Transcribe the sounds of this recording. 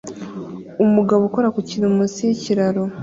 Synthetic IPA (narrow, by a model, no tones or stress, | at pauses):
umuɡaβukoɾakuciɾumusijeciɾaɾo